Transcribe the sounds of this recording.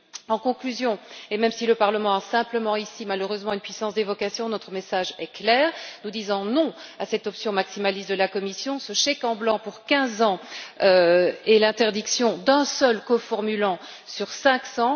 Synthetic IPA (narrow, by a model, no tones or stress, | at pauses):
ɑ̃kɔ̃klyzjɔ̃emɛmsiləpaʁləmɑ̃asɛ̃pləmɑ̃isimaløʁøzmɑ̃ynpɥisɑ̃sd̪evɔkasjɔ̃nɔt̪χəmesaʒɛklɛːʁnud̪izɑ̃nɔ̃asɛt̪ɔpsjɔ̃maksimalist̪d̪əlakɔmisjɔ̃səʃekɑ̃blɑ̃puʁkʲɛ̃zɑ̃øɛlɛ̃t̪ɛʁd̪iksjɔ̃d̪ɛ̃sœlkɔfɔʁmylɑ̃ | syʁsɛ̃ksɑ̃